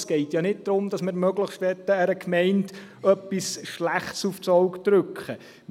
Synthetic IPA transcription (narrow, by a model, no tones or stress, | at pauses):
sɡ̥ɛɪtjɑnɪt̚d̥̪ɾʊmd̥ɑsmɪɾmœɡləχʃtʋɛtːəæɾəkʰmɛɪnt | œpːisʃlæχtsuft͡sowktɾʏkχə